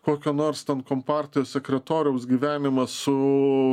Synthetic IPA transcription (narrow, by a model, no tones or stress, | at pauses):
koːkʲoːnoːɾst̪ʲɛnkoːmpɑˑɾʲt̪ʲɪjoːsʲsʲɛkʲɾʲɛt̪oːɾʲɪjɛʊsɡʲiːʋʲæːnʲɪmɐsʊ